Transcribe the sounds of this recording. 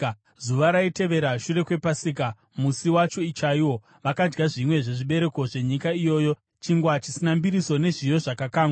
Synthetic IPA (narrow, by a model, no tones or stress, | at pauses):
zuʋaɾaite̞ʋe̞ɾaʃure̞kwe̞pasik̬a | musiwat͡ʃo̞it͡ʃaiwo̞ | ʋakad͡ʒɡaʐimwe̞ʐe̞ʐiɓe̞ɾe̞ko̞ʐe̞ɲikaijo̞ːjo̞ | t͡ʃiŋɡwat͡ʃi̥sinambiɾiso̞ne̞ʐijo̞ʐakakaːŋɡwa